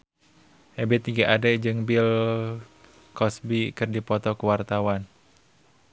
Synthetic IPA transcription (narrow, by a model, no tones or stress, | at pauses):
ʔɛbɛt̪̚iɡaʔadɛd͡ʒɨŋbil | kɔsbikɨrdipɔt̪ɔkəwart̪awan